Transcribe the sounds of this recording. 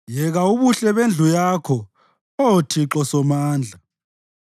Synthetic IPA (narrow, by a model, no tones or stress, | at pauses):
jɛɣauβuɬɛβend͡ɮʱujaːkʰɔ | otʰiǁɔsɔmaːnd͡ɮʱa